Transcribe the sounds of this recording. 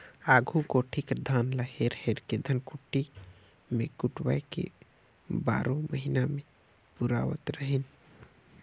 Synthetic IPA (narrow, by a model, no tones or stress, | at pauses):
aɡʱukoʈʰikd̪ʱanləheɾheɾked̪ʱənkuʈːi | mekuʈwa̰jkḛ | ba̰ɾõməɦiname | puɾa̰ʋə̰t̪ɾəɦin